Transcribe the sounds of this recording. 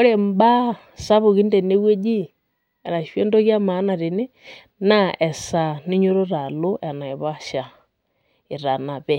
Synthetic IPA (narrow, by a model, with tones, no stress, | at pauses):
o˦ɾe˦˨m˦ba˦ | sa˦βo˨ɣi˦ndɛ˨ne˦we˦d͡ʒi˦ | ɛ˨ɾa˨ʃwe˦ndɔ˦ɣja˦ma˨˦na˨ɾi˨ne˦ | na˦ʔɛ˨sa˨ni˦ɲo˦ɾo˦ɾa˨lo˦ʔɛ˨na˨e˨βa˦ʃa˨ | i˨ɾa˨na˨βɛ˦˨